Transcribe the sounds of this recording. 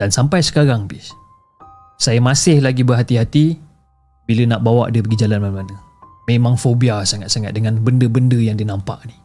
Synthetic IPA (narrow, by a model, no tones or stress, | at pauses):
d̥ansampajsə̥kaɾaŋbis | sajəmasɪhlaɡibərɦat̪iɦat̪i | bilənaʔbawaʔdəpəɡid͡ʒalanmanmanə | memãŋfobiasaŋat̪̚saŋat̪̚dəŋanbəndəbəndəjaŋdinampa̰ʔni